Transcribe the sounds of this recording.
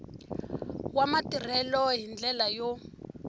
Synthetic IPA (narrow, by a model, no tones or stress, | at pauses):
wamatir̤ɛlɔɦind͡ɮɛlajɔ